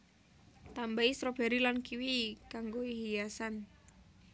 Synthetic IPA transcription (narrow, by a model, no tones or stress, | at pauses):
t̪ambaisɾɔb̥ɛ̤ɾilankiwikaŋɡoiɦijasan